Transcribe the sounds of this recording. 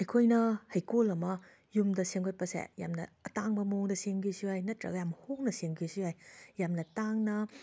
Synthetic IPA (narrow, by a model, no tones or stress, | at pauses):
ɐjkʰojnɐhɐjkolɐmɐ | jumdɐseŋkʰot̚pɐsḛja̰mnɐːtaŋbɐmoŋdɐseŋkʰisiajnɐtɾɐ̰ɡɐjamhoŋnɐseŋkʰisiajjamnɐtaŋnɐ